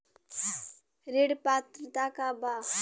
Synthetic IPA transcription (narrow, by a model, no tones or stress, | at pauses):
ɾeɽpat̪ɾət̪akaba